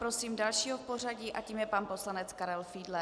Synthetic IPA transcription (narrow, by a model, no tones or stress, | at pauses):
pɾosiːmdalʃiːɦofpor̝aɟiːʔaciːmjɛpanpo̞slanɛt͡skaɾɛlfiːdlɛ